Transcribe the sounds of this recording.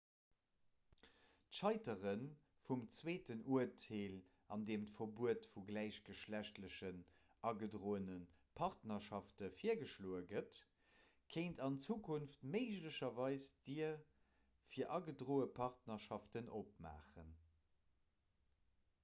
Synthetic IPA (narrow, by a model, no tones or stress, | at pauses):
tʃɑɪtəʁən | fumt͡sweːtənuətʰeːl | ɑndeːmtfɐbuətfuɡlæɪɕɡəʃlæɕtləɕən | ʔɑɡədʁoːənənpʰɑʁtnɐʃɑftəfiːɐɡəʃloːəɡət | kʰeɪntɑnt͡suːkʰunftmeɪʒləɕɐvɑɪsd̥iɐ | fiːɐʔɑɡədʁoːəpʰɑʁtnɐʃɑftənʔop̚ma̰ːχən